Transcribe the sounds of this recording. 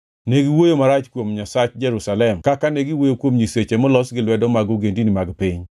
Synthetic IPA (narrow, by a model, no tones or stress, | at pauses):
neɡiwojomaɾat͡ʃkwomɲasat͡ʃd͡ʒɛɾusalɛmkakaneɡiwojokwomɲiset͡ʃemɔlɔsɡɪlwɛdɔmaɡoɡendinimaɡpiɲ